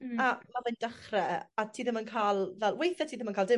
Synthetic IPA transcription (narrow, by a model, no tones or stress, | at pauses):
amaðəndəχrɛatʰiːðɪmənkʰaːlˠvɛlˠwejθɛtʰiːðɪmənkʰaːldɪ